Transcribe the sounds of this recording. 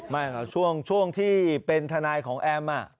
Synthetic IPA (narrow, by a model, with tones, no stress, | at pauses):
maː˥˩kʰa˧˩t͡ɕʰu˥˩əŋt͡ɕʰu˥˩əŋt̪ʰiː˥˩pe˧nt̪ʰa˧naː˧jkʰɔː˩˦ŋʔɛː˥˩mːa˧˩